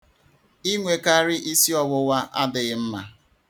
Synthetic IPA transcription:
i˦ŋʷe˨ka˦ɾɪ˦ʔi˦si˦ɔ˨wʊ˦wʷa˦ʔa̰˦dɪ˨ɣɪ˦m̩˦ma̰˨

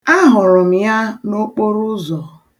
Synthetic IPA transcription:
a˦ɦʊ˨ɾʊ˨m̩˨ja˦no˦k͡po˦ɾʊ˦zɔ˨

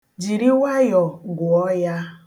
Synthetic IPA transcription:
d͡ʒi˨ɾi˦wa˦jɔ˨ɡʊ˨ɔ˦ja˦

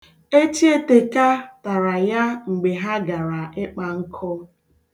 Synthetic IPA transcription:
e˦t͡ʃi˦e˦te˨ka˦ta˨ɾa˨ja˦ŋ͡m̩˨ɡ͡be˨ɦa˦ɡa˨ɾa˨ɪ˦k͡pa˨ŋ̩˦kʰɔ˦

